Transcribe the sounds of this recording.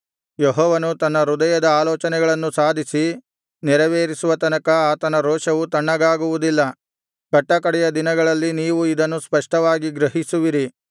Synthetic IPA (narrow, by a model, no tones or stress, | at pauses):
jɛɦɔːʋɐnut̪ɐnːɐɾud̪ɐjɐd̪ɐaːlɔːt͡ʃɐnɛɡɐɭɐnːusaːd̪ʱisi | nɛɾɐʋeːɾisuʋɐt̪ɐnɐkɐaːt̪ɐnɐɾɔːʃɐʋut̪ɐɳːɐɡaːɡuʋud̪ilːɐ | kɐʈːɐkɐɽɛjɐd̪inɐɡɐɭɐlːiniːʋuid̪ɐnːuspɐʂʈɐʋaːɡiɡɾɐɦisuʋiɾi